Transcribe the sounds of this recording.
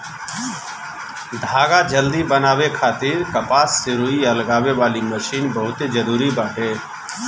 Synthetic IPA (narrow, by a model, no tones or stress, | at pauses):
d̪ʱaːɡad͡ʒəld̪ibənaːʋekʰaːt̪iːɾkɐpaːsːɪɾuiɐlɡaːʋeʋaːliməʃiːnbɐɦʊt̪ed͡ʒɐɾuːɾibaːʈʰeː